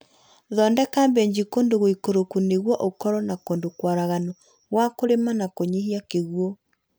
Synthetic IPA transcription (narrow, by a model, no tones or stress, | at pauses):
ðɔndɛkaːmbɛɲd͡ʑikoːndoɣoikoɾokuneɣwɔʔokɔɾɔnakoːndokwaɾaɣanɔ | ɣwakoɾemanakoɲeɦiakeɣwɔ